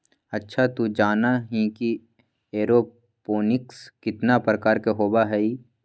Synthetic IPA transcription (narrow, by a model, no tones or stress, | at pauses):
ɐtːʃʰat̪ud͡ʒaːnaɦĩki | eːɾo | poːnɪkskɪt̪napɾəkaːɾkeɦoːbaɦɛi